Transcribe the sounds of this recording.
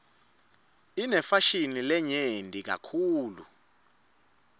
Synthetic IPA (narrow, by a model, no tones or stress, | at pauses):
inɛfaʃinilɛɲendʱʼik̬a̰kʰuːlṵ